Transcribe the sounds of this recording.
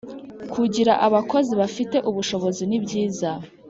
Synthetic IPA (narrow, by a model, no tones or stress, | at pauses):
kʰuɟiɾaʔaβako̞ziβafite̞ʔuβuʃo̞βo̞zinibɟiːza